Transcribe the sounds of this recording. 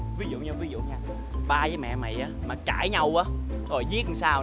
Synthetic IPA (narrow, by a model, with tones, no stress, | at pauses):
vi˨˦zṵ˧˨ɲɨ˧vi˨˦zṵ˧˨ɲaː˧ | ɓaː˧zəː˨˦jmɛ̰˧˨ma̰˨˩jʔaː˨˦maː˨˩kaː˧˩jɲa˧wʔaː˨˦ | t̪ʰo˨˩jzi˦˥t̚ŋsaː˧w